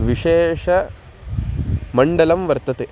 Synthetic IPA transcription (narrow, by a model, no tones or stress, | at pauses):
ʋiʃeːʂɐ | mɐɳɖɐlɐmʋɐɾt̪ɐt̪e